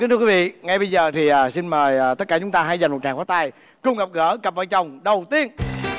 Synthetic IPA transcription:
i˨˦t̪ɨ˧wvḭ˧˨ŋa˧jɓə˧jzəː˨˩t̪ʰi˨˩ʔaː˨˩si˧nməː˨˩jaː˨˩t̪ə˦˥t̚kaː˧˩t͡ɕʊ˨˦ŋ͡mt̪aː˧ɦa˧jza˨˩jŋmo˨˩t̚t͡ɕaː˨˩ŋkwaː˨˦˥t̪aː˧j | kʊ˧ŋ͡mɣə˨˩p̚ɣəː˧˥ɣə˨˩p̚vəː˧˩jt͡ɕə˨˩wŋ͡mɗə˨˩wt̪i˧ən

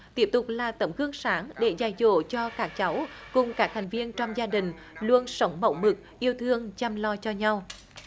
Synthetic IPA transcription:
t̪i˦˥əp̚t̪ʊ˨˩k͡p̚laː˨˩t̪ə˨˦˩mɣɨ˧əŋsaː˨˦ŋɗe˧˩˦zaː˨˩jzo̰˧˨t͡ɕɔ˧kaː˦˥k̚t͡ɕa˨˦wkʊ˨˩ŋ͡mkaː˦˥k̚ha˨˩jŋ̟vi˧ənt͡ɕɔ˧wŋ͡mzaː˧ɗï˨˩ŋ̟ | lu˧ənsə˨˦wŋ͡mmə̰˧˩wmɨ˨˩k̚ʔi˧əwt̪ʰɨ˧əŋt͡ɕa˧mlɔ˧t͡ɕɔ˧ɲa˧w

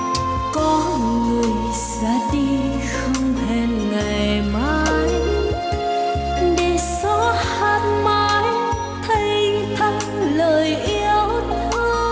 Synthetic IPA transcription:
kɔ˨˦ | ŋɨ˨˩əj | sa̰˧˥ɗi˧ | xə˧wŋ͡mtʰɛ˧nŋa˨˩jmaː˨˧j | ɗe˧˩sɔ˧˥ | haː˧˩t̚maː˨˧˦j | t̪ʰə˧jt̪ʰa˨˧˦ŋ | ləː˨˩jʔi˧˦əwt̪ʰ | ə˧

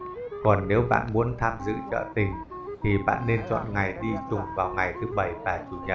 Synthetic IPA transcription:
kɔ˨˩nːe˨˦wɓa̰ː˧˨nmu˨˦ənt̪ʰaː˧mzɨ̰˧˥t͡ɕə̰ː˧˨t̪ï˨˩ŋ̟ | t̪ʰi˨˩ɓa̰ː˧˨nːe˧nt͡ɕwɔ̰ː˧˨nŋa˨˩jɗi˧t͡ɕʊ˨˩ŋ͡mvaː˨˩wŋa˨˩jt̪ʰɨ˨˦ɓə˧˩jvaː˨˩t͡ɕu˧˩ɲə̰˧˩

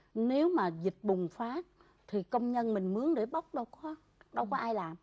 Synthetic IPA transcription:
ne˨˦wmaː˨˩zï˨˩t̟̚ɓʊ˨˩ŋ͡mfaː˨˦ | t̪ʰi˨˩kə˧wŋ͡mɲə˧nmï˨˩ŋ̟mɨ˨˦əŋɗe˧˩ɓə˦˥wk͡p̚ɗə˧˩wkɔ˧˨˦ | ɗə˧wkɔ˨˦ʔaː˧jlaː˨˩m

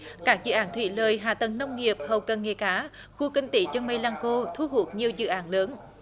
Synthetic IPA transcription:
kaː˦˥k̚zɨ̰˧˨ʔaː˨˦nt̪ʰwḭ˧˥ləː˨˩jɦa̰ː˧˨t̪ə˨˩nnə˧wŋ͡mŋi˨˩əp̚hə˨˩wkə˨˩nŋe˨˩kaː˨˦ | xu˧kï˧ŋ̟t̪ḭ˧˩˦t͡ɕə˧wma˧jlaː˧ŋko˧t̪ʰu˧ɦu˨˩ət̚ɲi˨˩əwzɨ̰˧˨ʔaː˨˦nləː˨˦n

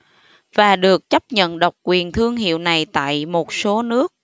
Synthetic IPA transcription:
v̥aː˨˩ɗɨ˨˩ək̚t͡ɕə˦˥p̚ɲə̰˧˨nɗə˨˩wk͡p̚kwi˨˩ənt̪ʰɨ˧əŋɦḭ˧˨əwna˨˩jt̪a̰ː˧˨jmo˨˩t̚so˨˦nɨ˦˥ək̚

